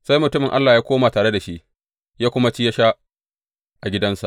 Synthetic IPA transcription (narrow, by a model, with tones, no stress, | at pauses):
sa˦jmʊ˨tʊ˦mɪ˨ŋʔa˦lːaː˨jaː˦kʷoː˦maː˨taː˨ɽe˦da˨ʃi˦ʔ | jaː˦kʷʊ˦ma˦t͡ʃi˦ja˦ʃa˦ | ʔa˨ɡʲɪ˦dɐ˦nsa̰˨ʔ